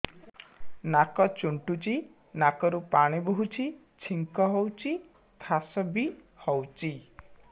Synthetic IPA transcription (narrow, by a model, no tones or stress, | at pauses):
nakɔt͡ʃuɳʈut͡ʃi | nakɔɾupaɽ̃ibɔɦut͡ʃʰi | t͡ʃʰiŋkɔɦɔwt͡ʃʰi | t̪ʰasɔbi | hɔwt͡ʃi